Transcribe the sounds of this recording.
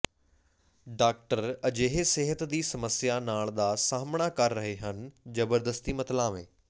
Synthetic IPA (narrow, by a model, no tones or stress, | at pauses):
ɖaːk̚ʈəɾɐd͡ʑeɦeseɦət̪d̪iːsɐməsjanaːɭd̪aːsaːmɪɽ̃akɐɾːɐɦeɦənɪ̆d͡ʑɐbəɾd̪əst̪imɐt̪lãmḛ̃ː